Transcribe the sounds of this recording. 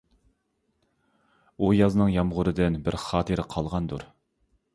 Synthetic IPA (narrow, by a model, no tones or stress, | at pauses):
ujɑznɨŋjɑmʁʊɾɨd̪ɪnbɪɾχɑːt̪ʰɨɾɪqʰɑlˠʁɑnd̪uɾ